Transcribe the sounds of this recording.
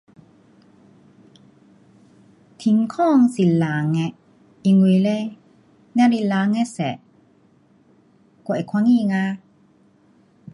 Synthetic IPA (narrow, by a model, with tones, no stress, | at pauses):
t̪ʰi˧˦ŋkʰɔː˥˨ŋsi˨la˨ŋɛ˧ | i˧˨ŋu˧jle˧˦ | nɛ˦˧˥li˧laː˧˦ŋɛ˧sɛ̰˨ | kɔ˧˨ʔɛ˨kʰwa˧˦ŋiː˧˨ŋa˧